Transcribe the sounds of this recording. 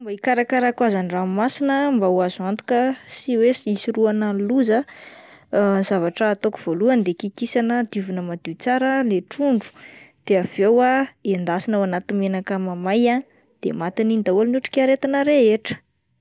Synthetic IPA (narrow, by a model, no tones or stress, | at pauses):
mbaikaɾakaɾakwazaniramasinəmbawazuant̪u̥kəsiwesiisiɾuanaluzə | zavaʈ͡ʂəːt̪okuv̥oluənd̪ekikisanəd̪ivunəmad̪̥it͡saɾəleʈ͡ʂuɳɖ͡ʐu̥d̪̥eav̥ewaend̪asinawanat̪imenakəmamaja | d̪̥ḛmat̪inind̪awolnuʈ͡ʂu̥kʲaɾet̪anəɾeeʈ͡ʂə̥